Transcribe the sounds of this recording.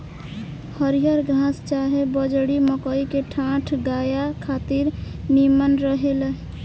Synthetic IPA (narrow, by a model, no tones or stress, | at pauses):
həɾijəɾɡʱɾãst͡ʃaɦebəd͡ʒɽiməkəikeʈʰãʈʰɡajakʰat̪iɾ | nimənɾəɦel